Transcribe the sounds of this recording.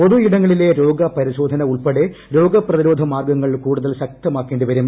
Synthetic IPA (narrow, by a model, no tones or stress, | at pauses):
o̞ðuiɽɐŋːɐɭile̞ɾo̞ːɡɐpɐɾiɕo̞ːd̪ʱɐnɐuɭpeɽeɾo̞ːɡɐprɐðiɾo̞ːd̪ʱɐmaːrɡɐŋːɐɭkuːɽuðɐlɕɐk̚t̪ɐmaːkːeːɳɖɨʋɐɾum